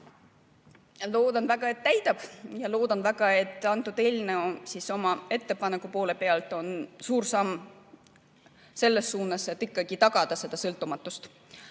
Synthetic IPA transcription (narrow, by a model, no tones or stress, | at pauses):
lo̞ːd̪̥ɑnd̪væɡ̥ɑe̞t̪ːæjt̪ɑb̥jɑlo̞ːd̪ɑnvæɡ̥ɑe̞t̪ːˑɑnt̪ːˑud̪̥e̞ːlneosiso̞mɑe̞t̪ːe̞pɑnekːˑupo̞ːle̞peɑlt̪ˑo̞nsuːɾsɑmː | se̞lːe̞sːuːnɑset̪ːˑikːɑɡ̥it̪ɑɡ̥ɑd̪̥ɑse̞d̪̥ɑsɤlt̪ːˑumɑt̪ːˑust̪